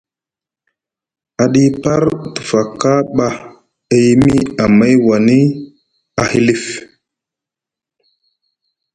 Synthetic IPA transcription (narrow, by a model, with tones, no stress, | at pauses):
a˨ɗi˦pa˦ɾtu̥˨fa˨ka˦ɓa˦ | e˦ji˦mi˦a˨ma˦jwa˨ni˦ | a˨hi˦li˦f